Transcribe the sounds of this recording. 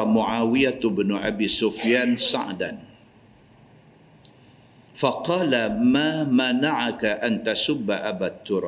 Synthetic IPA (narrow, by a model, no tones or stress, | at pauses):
mʊʕaːwijat̪bnʊʔabisufjansa̰ʕdan | faqɑːlamaːmanaʕakaʔant̪asʊbːaʔabat̪ːuɾˤɑ